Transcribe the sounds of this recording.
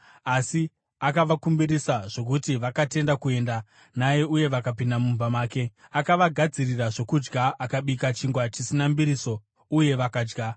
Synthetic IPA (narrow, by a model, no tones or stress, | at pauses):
asi | akaʋakumbiɾisaʐ̥o̞k̬utiʋakate̞ndakue̞nda | naje̞uje̞ʋakapindamumvamaːke̞akaʋaɡʱad͡ziriraʐo̞kud͡ʒɡaakaɓikat͡ʃiŋɡwat͡ʃisinambiɾiso̞ | uje̞ʋakaːd͡ʒɡa